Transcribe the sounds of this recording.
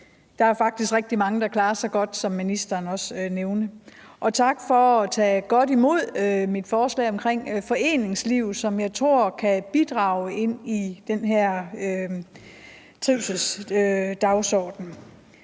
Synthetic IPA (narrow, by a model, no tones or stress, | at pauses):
d̥ɑ̈æɐfɑ̈ɡ̥d̥isɡ̥ʁeɡ̥̚d̥imɑ̈ŋəd̥ɑ̈kʰlɑ̈ːɐsɑ̈ɪɡ̥ɒ̽d̥sɒ̽mːinisd̥ɐːnɒ̽søneʊnəʔɒ̽t͡sʰɑ̈ɡ̥fɒːt͡sʰɛ̰ːɡ̥ɒ̽ɾ̥imo̝ð̞̰ˠømid̥fɒːslɛ̰ːɪɒ̽mkʰʁeŋ̰fɒ̽e̝̰ːne̝ŋsliʊsɒ̽mjɑ̈ɪt͡sʰʁo̝ɐ̰kʰæb̥id̥ʁɑ̈ːʊe̝n̰id̥enɦæɐ̰ø | t͡sʰʁiʊ̰səlsød̥ɑ̈ʊsɒːd̥n̩